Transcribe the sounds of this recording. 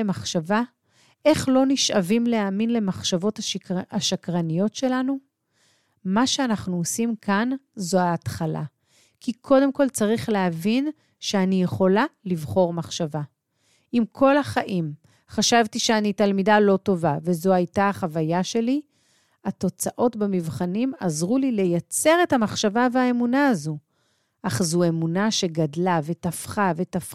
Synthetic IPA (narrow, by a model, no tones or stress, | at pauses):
emaχʃava | ʔe̞χlo̞niʃavimleaminle̞maχʃavo̞taaʃakʁanijo̞tʃe̞lanu | maʃe̞anaχnuosimkʰanzoaːtχalʔa̰ | kikʰo̞de̞mko̞lt͡saʁiχleavin | ʃeanijeχo̞lalivχo̞ʁmaχʃava | imkʰo̞laχaʔim | χaʃavtiʃeanitalmidalo̞to̞vave̞zo̞ajtaːχavajaʃe̞li | ato̞t͡saʔo̞tbamivχanimazʁulile̞jat͡se̞ʁe̞thamaχʃavaveaemunaːzu | ʔaχzue̞munaʃe̞ɡadlave̞tafχavetaf